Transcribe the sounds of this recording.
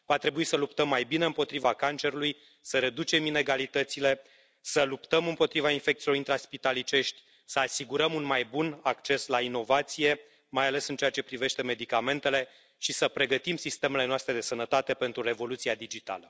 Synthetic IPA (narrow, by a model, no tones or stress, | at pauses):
vat̪ɾe̞buisəlup̚t̪əmːajbine̞ɨmpo̞t̪ɾivakant͡ʃe̞ɾuluj | səɾe̞d̪ut͡ʃe̞mine̞ɡalit̪ət̪sile̞ | səlupt̪əmɨmpo̞t̪ɾivainfe̞k̚t̪ilo̞ɾint̪ɾaspit̪alit͡ʃe̞ʃt̪ʲ | səasiɡuɾəmunmajbunakt͡ʃe̞slaino̞vat̪sije̞ | majale̞sɨnt͡ʃe̞at͡ʃe̞pɾive̞ʃt̪e̞me̞d̪ikame̞nt̪e̞le̞ | ʃisəpɾe̞ɡət̪imsist̪e̞me̞le̞noast̪ɾe̞d̪e̞sənət̪at̪e̞pe̞nt̪ɾure̞vo̞lut̪siad̪id͡ʒit̪a̰lə